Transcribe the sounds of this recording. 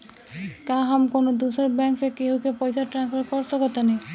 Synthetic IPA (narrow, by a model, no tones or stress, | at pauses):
kaɦamkonod̪usɔɾbɛŋksekeɦukepɔjsaʈɾanspʰaɾkɔɾsɔkɔt̪anej